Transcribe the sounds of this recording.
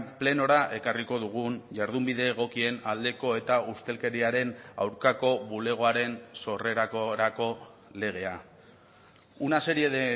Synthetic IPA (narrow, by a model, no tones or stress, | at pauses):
ple̞no̞ɾaʔe̞kariko̞ðuɣ̞unʝaɾð̞umbiðe̞ːɣ̞o̞kie̞nald̪e̞ko̞e̞t̪aust̪e̞lke̞ɾiaɾe̞na̰wɾkako̞βule̞ɣ̞o̞aɾe̞nso̞re̞ɾakɾako̞ | le̞ɣ̞e̞a | unase̞ɾieðe